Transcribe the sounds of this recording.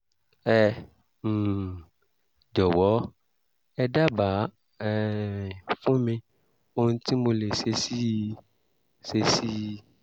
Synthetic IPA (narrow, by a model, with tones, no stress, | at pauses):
ɛ̃˦˨ | d͡ʒɔ˨wɔ˨˦ | ɛ˧da˦ba˨˦ | ɛ˦˨ | fũ˦mĩ˧ | o˦nũ˦ti˦mo˧le˨se˧si˦ | se˧si˦